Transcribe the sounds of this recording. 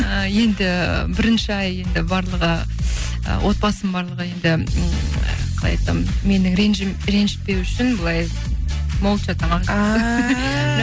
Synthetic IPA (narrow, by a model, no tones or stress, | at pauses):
əje̞nd̪ɪbɪɾɪnʃɪɑje̞nd̪ɪbɑɾlˠəʁə | ə̰wʔo̞t̪̚bɑsəmbɑɾlˠəʁəje̞nd̪ɪ̰ | qʰɑlˠɑjɑt̪ɑ̰mme̞nɪŋɾenʒmɾe̞nʒɪ̥t̪̚pe̞wʏʃɪnbəlˠɑj | molˠt̪ʒɑt̪ɑɴɑ